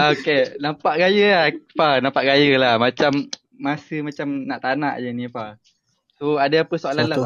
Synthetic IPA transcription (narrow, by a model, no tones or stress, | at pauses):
okenãmpaʔɡajəlapanãmpaʔɡajəlahmat͡ʃamː | asəmat͡ʃamnaʔt̪anaʔjənipa | soadaapəsoalanla